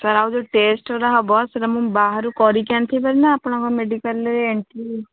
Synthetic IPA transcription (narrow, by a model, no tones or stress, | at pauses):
səɾaud͡ʒoːʈeːsʈoɾaɦɔbɔːt̪səɾmũbaːɦəɾukɔːɾikɛ̃ːnt̪ʰibəɾnaapɳãkomeːɖikəleːɳʈiː